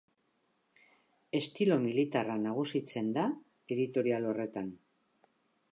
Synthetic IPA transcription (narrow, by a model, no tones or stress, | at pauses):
e̞st̪ilo̞milit̪aranaɣ̞usit͡se̞nd̪a | e̞ðit̪o̞ɾialo̞re̞t̪an